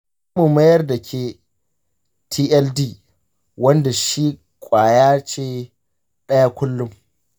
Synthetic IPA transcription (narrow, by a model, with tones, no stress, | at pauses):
mu˨mɐ˦jɐ˦rda˨kʲʰeː˨ | tʰiː˦ʔɛ˦ldiː˦˨ | wɐ˦nda˨ʃi˦ | kʷʼaː˨jaː˦t͡ʃeː˦˨ | ɗɐ˦ja˦kʷʊ˦lːʊ˦m